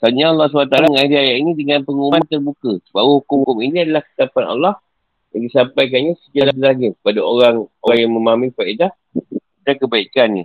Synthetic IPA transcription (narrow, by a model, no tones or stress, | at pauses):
t̪aɲaɑlːɑs̬ubat̪alaŋadiajaʔinidəŋãnpəŋumant̪ərbukabawuhukʊmhukʊminĩadalahkə̥t̪apana̰lːɑh | jaŋdisampajk̬anɲãsəd͡ʒaladəlahɲapadaoɾaŋoŋjaŋmə̃maaminfaidah | dankəbaikanɲə